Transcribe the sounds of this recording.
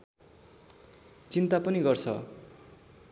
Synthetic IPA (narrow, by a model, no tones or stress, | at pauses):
t͡sint̪apʌniɡʌrt͡sʰʌ̰